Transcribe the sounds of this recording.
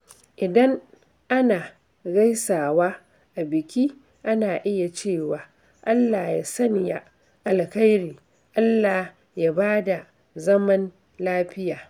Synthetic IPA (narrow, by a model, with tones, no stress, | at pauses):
ʔɪ˨dɐ˦ŋ | ʔa˦naː˨ | ɡa˦jsaː˨waː˦ | ʔa˨bɪ˨kʲiː˦ | ʔa˦naː˨ʔɪ˦ja˨t͡ʃeː˦˨waː˨ | ʔa˦lːaː˨ja̰ː˦sɐ˦nja˦ | ʔa˨lka˦jɽiː˨ | ʔa˦lːaː˨ | ja˦˨baː˦da˨ | zɐ˦mɐ˦n | laː˦ɸɪ˦jaː˨